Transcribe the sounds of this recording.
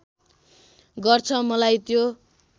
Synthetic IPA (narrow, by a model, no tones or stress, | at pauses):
ɡʌrt͡sʰʌmʌlajt̪jo